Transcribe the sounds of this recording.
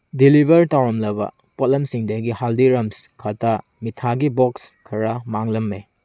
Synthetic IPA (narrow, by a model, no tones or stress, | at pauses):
dilibʱɐɾtawɾɐmlɐbɐ̰ | pot̚lɐmsiŋdɐɡihaldiɾɐmskʰata | mitʰaɡibokskʰɐɾamaŋlɐmːe